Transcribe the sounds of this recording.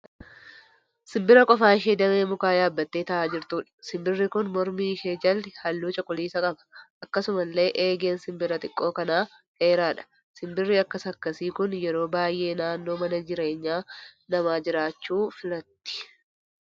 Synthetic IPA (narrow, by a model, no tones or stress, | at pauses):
sɪmbɪɾɐkʼɔfaːɪʃeːd̪ɐmeːmʊkaːjaːbːɐt̪ːe̞ːt̪ɐʔaːd͡ʒɪɾt̪uːᶑɐ̥sɪmbɪrːɪkʊnmɔɾmiːʃeːd͡ʒɐlhɐlːuːt͡ʃʼɔkʼːʊliːsɐkʼɐbɐ̥ʔɐkːɐsʊmɐlːe̞ːʔeːɡe̞ːnsɪmbɪɾɐt̪ʼɪkʼːo̞ːkɐnaː | heːɾaːᶑɐ̥ | sɪmbɪrːiɐkːɐsɐkːɐsiːkʊnjɛɾo̞ːbaːjʔe̞ːnaːnːo̞ːmɐnɐd͡ʒɪɾe̞ːɲːaːnɐmaːd͡ʒɪɾaːt͡ʃːuːfɪlɐt̪ːɪ̥